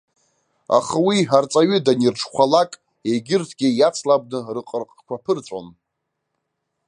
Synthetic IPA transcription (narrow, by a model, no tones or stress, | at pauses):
a̰χawiħart͡sʼaɥʏdanirʈ͡ʂʰχʷalakʼ | eɡʲɪrtʰɡʲɪjat͡sʰlab̚nɨrɨqʼərqʼkʷapʰɨrt͡sʷʼo̰n